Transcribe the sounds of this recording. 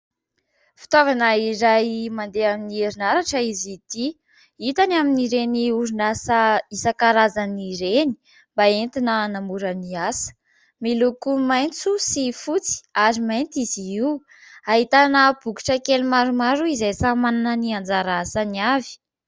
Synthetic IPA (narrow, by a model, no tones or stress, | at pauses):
fi̥t̪ovanəiɾajmand̪eaminieɾinaɾaʈ͡ʂəizid̪̥i | it̪anaminiɾeniuɾunasaisakaɾazaniɾeni̥ | mbaent̪inənamuɾəniasə̥ | milukumajnt͡susifut͡si̥aɾimajnt̪izii | aɦit̪anəb̥uki̥ʈ͡ʂəkelumaɾumaɾuizejsamananəniand͡zaɾasaniavi̥